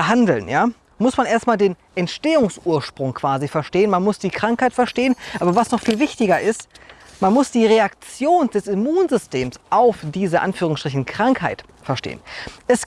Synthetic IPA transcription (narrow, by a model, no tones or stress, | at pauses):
ɦandl̩njaː | mʊsmanʔeːɐstmaːldeːn | ʔɛntʃteːʊŋsʔuːɐʃpʁ̥ʊŋkv̥aːzifɛɐʃteːənmanmʊsd̥iːkʁ̥aŋkhaɪtfɛɐʃteːənʔaːbɐvasnɔχfiːlvɪçtɪɡɐʔɪst | manmʊsd̥iːʁeakt͡sjoːnd̥ɛsimuːnzʏsteːmsʔaʊfd̥iːzəʔa̰nfyːʁ̞ʊŋstʁ̥ɪç̬n̩kʁ̥aŋkhaɪt | fɛɐʃtḛːənʔɛs